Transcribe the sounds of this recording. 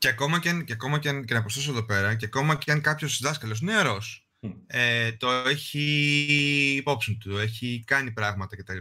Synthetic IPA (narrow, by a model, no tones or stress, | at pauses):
ceɐko̞mɐcɐnceɐko̞mɐcecenɐpost̪osoðo̞pe̞ɾɐceɐko̞mɐceɐŋkɐpço̞sðɐskɐlos̬ineɐɾo̞s | et̪o̞e̞çi | po̞psint̪ue̞çikɐnipɾɐvmɐt̪ɐce̞t̪ɐlipɐ